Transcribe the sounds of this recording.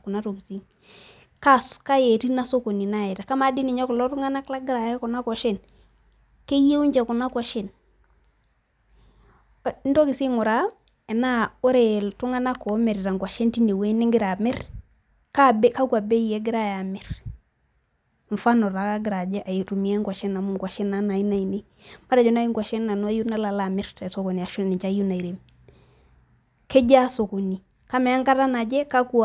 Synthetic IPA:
ku˨na˦to˨ki˨ti˦ŋ | ka˦ska˦je˨ti˦na˦so˦ko˨ni˨na˦e˨ɾa˨ka˦ma˨˦di˦ni˨ɲɔ˦klɔ˦tʊ˦ŋa˦na˦kla˦ɡɪ˦ɾa˨jku˨na˦kwa˨ʃe˦˨n | ke˦je˦u˦ɲd͡ʒɛ˨ku˨na˦kwa˨ʃe˦˨n˨˦ | n˦to˦kɪ˨si˦ŋʊ˨ɾa˦ | ɛ˨na˦o˦ɾe˨tu˦ŋa˦na˦ko˨˦mɛ˨ɾi˨ɾa˨ŋɡwa˨ʃe˦nti˦ne˨we˦nɪ˦ŋɡɪ˦ɾa˨mɛ˦r | ka˦be˦ka˦ku˦a˨be˦e˦ɡɪ˦ɾa˦ja˨mi˨ɾ | ɱ˨fa˦no˨ɾa˨ka˦ɡɪ˨ɾa˨d͡ʒe˦ʔa˨je˨tu˨mi˨e˦ŋkwa˨ʃe˦na˨mu˦ŋɡwa˨ʃe˦na˦na˨ji˦na˦i˨ne˦ | ma˦ɾa˨d͡ʒo˨na˦i˦ŋɡwa˨ʃe˦nːa˨nu˦a˦ju˦na˦la˨la˨mi˦ɾte˨so˦ku˨ni˨a˨ʃu˦˨ni˨t͡ʃa˦ju˦na˨i˨ɾe˨m | ke˦ɟa˦so˨ku˨ni˨ | ka˦me˨a˦ŋka˦ɾta˦na˨d͡ʒe˦ka˦ku˦

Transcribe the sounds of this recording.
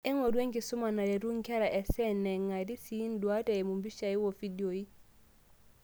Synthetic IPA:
e˦ŋo˨du˦e˦ŋki˨su˦ma˨na˨ɾe˨ɾu˦ŋke˦ɾa˨ʔe˨sɛ˦ne˨ŋa˨di˦si˨˦ndu˨a˦te˨mu˨mbi˦ʃa˨i˦wo˨fi˦dio˨i˦

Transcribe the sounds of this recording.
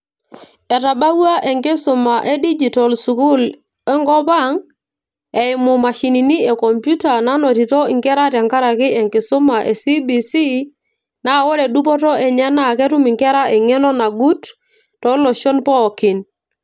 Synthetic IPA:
ɛ˨ta˨ba˦wa˦ʔɛ˨ŋkɪ˦sʊ˨ma˨ʔe˦di˦d͡ʒi˨tɔ˨lsu˨ku˦l | ɛ˦ŋɡɔ˦pa˦ŋ | e˨ɪ˨mʊ˨ma˨ʃi˨ni˨ni˦ɛ˨kɔ˨mpju˦ta˨na˦nɔ˨ti˨tɔ˦ɪ˨ŋkɛ˦ɾa˦tja˨ŋka˦ɾa˨kɪ˦ɛ˨ŋkɪ˨sʊ˦ma˨ʔe˨si˦bi˨si˦ | na˨wɔ˦ɾɛ˨ɗu˦pɔ˦tɔ˦ɛ˨ɲɛ˦na˨kɛ˦tu˦mɪ˨ŋkɛ˦ɾa˦ʔɛ˨ŋɛ˦nɔ˦na˨ɡu˦t | tɔ˨˦lɔ˨ʃɔ˦npɔ˦˨kɪ˨n

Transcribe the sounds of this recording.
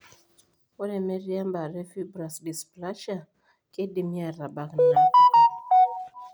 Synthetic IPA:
o˦ɾɛ˨mɛ˦ɾi˦a˦mba˨ɾɛ˦fi˦bɾa˨sdi˨spla˦ʃa˦˨ | kʼe˦di˨mja˨ɾa˨ba˨kna˦

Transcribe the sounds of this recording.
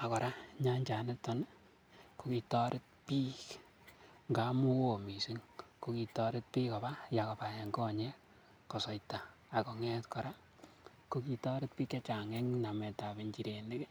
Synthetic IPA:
a˨kɔ˨ɾa˦ɲa˦ɲt͡ʃa˨ne˦tɔ˨˦n | ko˨ki˨tɔ˦ɾʔɪ˦t̚pi˦k | ŋɡa˨˦mu˦wo˦˨mi˨si˦ŋko˨ki˨tɔ˧ɾɪ˦t̚pi˦kɔ˨ba˦ja˨kɔ˨pa˨je˨ŋɡɔ˦˨ɲɛ˦ | kɔ˨sɔ˨jtaː˨ | kɔ˨ŋɛ˦tkɔ˨ɾa˦ | ko˦ki˨tɔ˦ɾɪ˦t̚pi˦kɛ˦t͡ʃa˨ŋɛ˦ŋna˨mɛ˨ta˨pe˨ɲd͡ʒi˨ɾe˨ne˦ke˦

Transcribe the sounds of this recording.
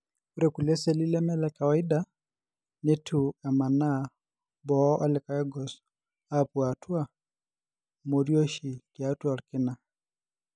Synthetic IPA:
u˦ɾɛku˨lɛ˦sɛ˨li˦lɛ˦mɛ˦lɛka˨wa˨i˦da | ne˦tʰu˨a˨ma˨na˦˨ | bɔ˨˦ʔɔ˦lɛ˨ka˨ɛ˦ɡɔ˨s | a˦pu˨a˨tʰu˦a˦ | mo˨ɾjo˦ʃi˨ki˨a˦tu˦a˨ɾkɪ˦na˨

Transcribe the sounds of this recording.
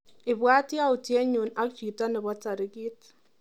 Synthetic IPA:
i˨βwaː˦tja˦u˨tje˦ɲu˨na˦kt͡ʃiː˨ta˦ne˨βɔ˦t͡sa˨ɾi˦ɡi˦t

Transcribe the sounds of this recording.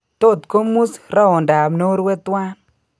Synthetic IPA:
to˦˨tko˦mu˦sɾa˦ɔ˨nda˨mno˦ɾwɛ˦t̪wa˦n

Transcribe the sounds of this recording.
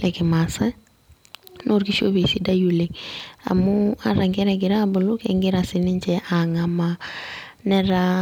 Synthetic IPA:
lɛ˨ɡɪ˨ma˨sa˦ | nʔo˦ɾki˦ʃo˦be˨si˦da˦ju˨le˨a̰˨mʊ˦a˨ɾa˨ŋɡɛ˦ɾɛ˨ɡɪ˨ɾa˦bʊ˨lʊ˦kɛ˨ŋɡɪ˦ɾa˨sɪ˨nɪ˦ɲt͡ʃɛʔa˨ŋa˨ma | nɛ˦ɾa

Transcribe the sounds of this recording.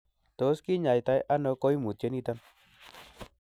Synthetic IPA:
t̪o˨˦ski˦ɲa˨jt̪a˨˦jʔa˦nɔ˨˧kɔ˦jmu˨t̚t͡ʃe˨˦ni˦˧t̪a˦n

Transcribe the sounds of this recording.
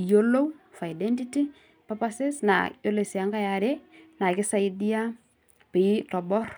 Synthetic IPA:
jo˦lo˦wfa˨i˨dɛ˦nti˦ti˦ | pa˦pa˦sɛ˦sna̰jo˦le˨si˨a˦ŋɡa˦ja˨ɾe˦na˨kɪ˦sa˦i˦di˦a˦ | pɪ˨˦tɔ˨bɔ˦r

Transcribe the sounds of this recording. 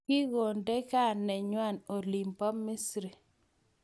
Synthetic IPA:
kɪ˦ɣo˨nde˦ka˦˨nːɛ˨ɲwa˦˨no˨li˨mpɔ˦mːi˦sɾi˨

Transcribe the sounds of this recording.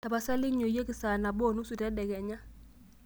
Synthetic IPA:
ta˨pa˨sɛ˦lɪ˦ɲo˨je˦kɪ˨sa˨na˨bɔ˦˨nu˦su˨tɛ˦dɛ˨kɛ˨ɲa˦

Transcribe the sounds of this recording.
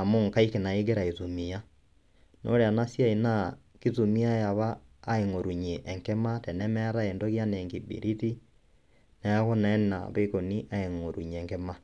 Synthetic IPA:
amoː˦ŋka˦ike˨na˨e˦ɣeɾa˨i˨tu˨mi˨a˦ | nʔo̰˦ɾea˨na˦sja˦e˨na˦ | ki˦ðu˨mi˦a˦ja˨βaː˦ | e˨ŋo˨ɾu˨ɲeʔːŋkɛ˦matɛ˨nɛmɛa˦ɾa˦endo˦ɣja˦nɛː˨ŋɡi˨bḭ˨ɾi˦ti˦ | na˨ja˦ɣo˦nɛ˦na̰˨βeko˨ni˦ʔa˦e˨ŋo˨ɾu˨ɲ˨ɛ˨ŋkɛ˦ma

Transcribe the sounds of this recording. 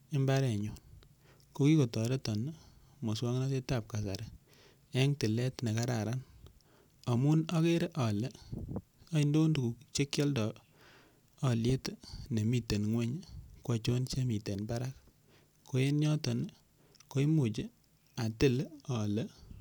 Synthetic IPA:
e˦mba˦ɾɛ˨ɲo˨n | ko˦ki˦ko˨tɔ˨ɾe˦tɔ˨n˦ | mo˨swa˦ŋna˦te˦ta˨p̚ka˨sa̰˨ɾɛ˨ | ɛ˦ŋtɪ˨lɛ˦tne˨ka˦ɾa˨ɾa˦n | ɔ˨mu˦nɔ˦ke˦ɾe˦ʔɔ˨le˦ | ɔ˦i˦ndo˦ndu˨ku˨t͡ʃe˦kjɔ˦ldɔ˨ | ɔ˨lje˦tne˨mi˦te˨nŋwe˦ɲkwa˦t͡ʃo˦nt͡ʃe˦mi˨te˨nba˦ɾa˦k̚ | kʰːo˦e˦nɲɔ˦tɔ˨n | ko˦i˦mo˨t͡ʃe˦ | a˨tɪ˦lɔ˨lɛ˦

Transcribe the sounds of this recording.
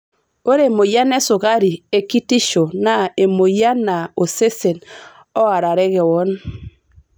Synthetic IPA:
o˦ɾe˦˨mo˨ja˦nɛ˦sʊ˨ɣa˦ɾi˨e˦ki˦ti˦ʃo˨na˨e˨mo˨ja˦na˨o˨se˦se˨n | ɔ˦a˨ɾa˨ɾɛ˦ɣɛ˨wɔ˦n

